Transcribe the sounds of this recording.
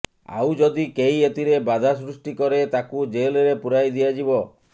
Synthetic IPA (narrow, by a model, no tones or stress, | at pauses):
a̰wd͡ʒɔd̪ikejet̪iɾebad̪ʱas̬ɾusʈikɔɾet̪akud͡ʒeleɾepuɾajd̪ijad͡ʒibɔ